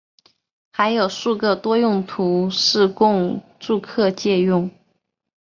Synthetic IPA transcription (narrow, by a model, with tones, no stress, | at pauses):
xa˧˥ɪjo˨˩ʊʂu˥˧kɤ˥˩t̪wɔ˥jʊ˥˩ŋt̪ʰu˧˥ʂɻ̩˥˧kʊ˥˧ŋ | ʈ͡ʂu˥˧kʰɤ˥˧t͡ɕjɛ˥˧jʊ˥˩ŋ